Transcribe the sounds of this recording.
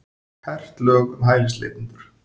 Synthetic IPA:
hʰɛr̥t̪lœːɣʏmɦaːjlɪst̪lḛːt̪int̪ʏɾ̥

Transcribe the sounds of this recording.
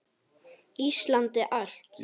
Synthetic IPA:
ist̪lant̪ɛʔal̥t̪

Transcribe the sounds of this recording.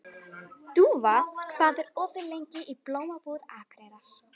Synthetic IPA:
t̪uːvakʰv̥aːðɪɾɔːvɪɾlejɲcɪʔiploːwmapuðaːkʰɾejɾa

